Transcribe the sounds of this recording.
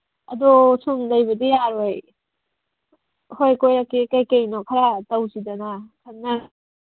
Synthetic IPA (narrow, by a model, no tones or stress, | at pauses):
ɐdosundɐjbɐdijaɾoj | hojkojɾakːikajkajnokʰaɾatɐwsidɐnakʰɐnːa